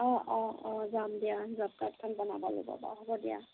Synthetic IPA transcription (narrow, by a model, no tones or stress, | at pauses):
ɔʔɔɔzamdiazab̚katkʰanbɔnabɔ̰lo̰bɔ̰ba̰ɦɔbɔdija̰